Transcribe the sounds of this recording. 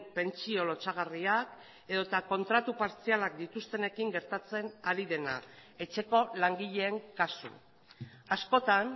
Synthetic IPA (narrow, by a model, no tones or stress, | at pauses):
pe̞nt͡sio̞lo̞t͡saɣ̞ariak | e̞ðo̞t̪ako̞nt̪ɾat̪upaɾt͡sialak̚d̪it̪ust̪e̞ne̞kiŋɡe̞ɾt̪at͡se̞naɾiðe̞na̰e̞t͡ʃe̞ko̞laŋɡiʎe̞ːŋkasṵ | asko̞t̪an